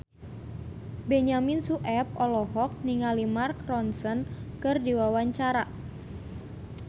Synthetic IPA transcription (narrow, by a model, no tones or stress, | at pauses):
bɛɲaminsuʔɛp̚ɔlɔɦɔk̚niŋalimarkrɔnsənkɨrdiwawaɲt͡ʃaɾa